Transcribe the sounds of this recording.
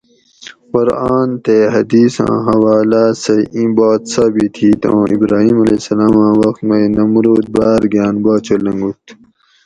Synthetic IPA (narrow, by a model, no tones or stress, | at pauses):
qʊɾaːnt̪eɦɐd̪iːsã̰ːɦɐwaːlaːseĩbaːt̪sɐbit̪ʰiːt̪ʰõːʔibɾaːɦiːmɐleːsɐlaːmãːwɐxt̪mɐjnɐmɾoːt̪̚baːɾɡjaːnbaːt͡ɕʰolɐ̃ŋɡut̪